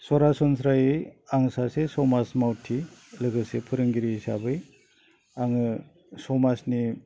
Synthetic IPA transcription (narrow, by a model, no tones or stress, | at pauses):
sɔɾasɔnsɾajiaŋsasesɔmasmawtʰːilɯɡɯsepʰɯɾɯŋɡiɾiːsa̰bɯj | aŋɯ | sɔmasni